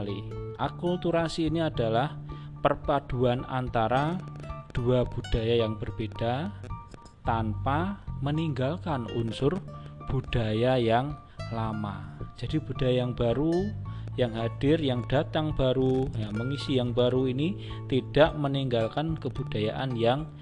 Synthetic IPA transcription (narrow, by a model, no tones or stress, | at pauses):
liʔakult̪uɾasiːniadalah | pərpad̥uana̰nt̪aɾad̥uab̥ud̥ajajaŋb̥ərbed̥a | t̪anpaməniŋɡalkanunsʊrb̥ud̥ajajaŋ | lama̰d͡ʒ̥adib̥ud̥ajajaŋbaɾujaŋɦad̥ɪrjaŋdat̪aŋbaɾujaməŋisijaŋbaɾuini | t̪id̥aʔməniŋɡalkankəbud̥ajaʔanjaŋ